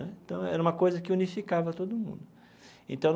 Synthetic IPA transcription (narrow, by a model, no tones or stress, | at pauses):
ɛẽnt̪ɐ̃w̃ɛ̰ɾɐũmɐkojzɐkɪunifikavɐt̪od̪ʊmṵ̃nd̪ʊ | ḛ̃nt̪ɐ̃w̃n